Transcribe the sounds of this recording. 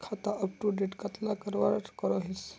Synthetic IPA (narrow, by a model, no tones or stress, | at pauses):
kʰat̪aʔəpʈuɖeʈkat̪lakəɾʋaɾɾkəɾɔɦis